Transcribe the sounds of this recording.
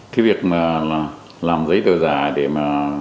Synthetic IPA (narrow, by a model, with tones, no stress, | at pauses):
t̪ʰi˨˦vi˨˩ək̚maː˨˩˨ | laː˨˩mzə˨˦jɗo˧˨˩zaː˧˩jɗe˧˩maː˨˩